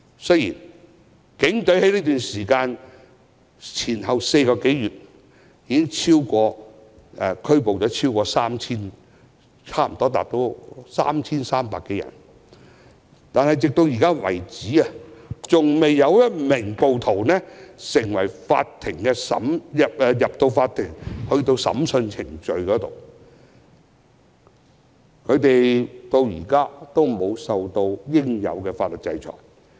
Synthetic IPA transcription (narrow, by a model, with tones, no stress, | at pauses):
sɵ˥jḭː˨˩n | kɪ˨˥ŋt̪ɵ˨˥ɥhe˨˥jniː˥t̪yː˨nsiː˨˩kaː˧n | t͡sʰiː˨˩nɦɐ˨wse˧jkɔː˧ke˨˥jɥyː˨t̚ | jiː˨˧kɪ˥ŋt͡sʰiː˥wkɔː˧ | ɛ˨kʰɵ˥ɥpo˨wt͡sɔː˨˥t͡sʰiː˥wkɔː˧saː˥mt͡sʰiː˥n | t͡sʰaː˥˩m̩˨˩t̪ɔː˥t̪a̰ː˨k̚t̪o˨˧˥wsa̰ː˥mt͡sʰiː˥nsaː˥mpa̰ː˨kːe˨˧jɐ̰˨˩n | t̪aː˨nhɐ˨jt͡sɪ˨k̚t̪o˧wjiː˨kaː˥wɐ̰˨˩jt͡siː˨˥a˨t͡sʊ˨ŋme˨jːɐ˨˧wjɐ˥t̚mɪ˨˩ŋpo˨˧wt̪ʰo˨˩wnɛ˥sɪ˨˩ŋwɐ˨˩jfa̰ː˧t̚t̪ʰɪ˨˩ŋkɛ˧sɐ̰˨˥mjɐ˨p̚ːjɐ˨p̚t̪o˧wfaː˧t̪ʰɪ˨˩ŋhɵ˧ɥt̪o˧wsɐ̰˨˥msɵ˧nt͡sʰɪ˨˩ŋt͡ʃɵ˧ɥkɔː˨˥t̪o̰˨w | kʰɵ˨˧t̪e˨jt̪o˧wjiː˨˩kaː˥t̪o˥wmo˨˧wsɐ˨˧wt̪o˧wjɪ˥ŋjɐ̰˨˧wkɛː˧faː˧t̚lə˨˩t̚t͡sɐ˧jt͡ʃʰɔ̰ː˨˩j